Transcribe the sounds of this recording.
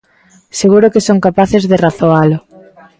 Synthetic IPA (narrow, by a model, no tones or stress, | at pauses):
seɣuɾʊkesoŋkapaθezðeraθoalʊ